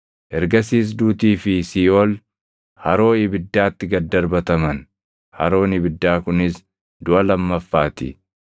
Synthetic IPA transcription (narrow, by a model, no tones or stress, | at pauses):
ʔɛɾɡɐsiːs̬d̪uːt̪iːfɪsiːol | hɐɾo̞ːɪbɪd̪ːaːt̪ːɪɡɐd̪ːɐɾbɐt̪ɐmɐn | hɐ̰ɾo̞ːnɪbɪd̪ːaːkʊnɪs | d̪ʊʔɐlɐmːɐfːaːt̪ɪ̰